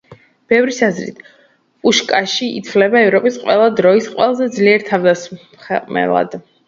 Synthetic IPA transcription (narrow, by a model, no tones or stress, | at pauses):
b̥ɛvɾisazɾḭt̪ʰ | pʼuʃkʼaʃḭːt̪sʰvlɛbaɛvɾɔpʼisqʼwɛlˠad̪ɾɔisqʼwɛlˠazɛd̪zliɛɾt̪ʰavd̪as | χɛqʼmɛ̰lˠa̰d̪̥